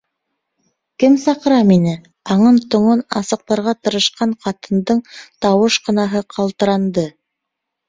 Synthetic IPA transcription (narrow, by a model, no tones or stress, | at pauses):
kɘmsɑqɤ̆ɾɑminɘ | ɑɴɤnt̪ŏɴɤnɑ̰sɤ̆q̚t̪ɑɾʁɑt̪ɤ̆ɾɤ̆ʃqɑɴqʰɑt̪ɤ̆nd̪ɤɴt̪ɑwɤʃqɤ̆nɑɦɤqʰɑlˠt̪ɤ̆ɾɑnd̪ɤ